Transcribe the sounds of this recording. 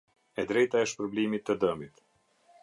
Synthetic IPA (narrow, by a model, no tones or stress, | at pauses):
ɛd̪ɾɛjt̪aəʃt̪pɾɔblɛmit̪ːəd̪əmit̪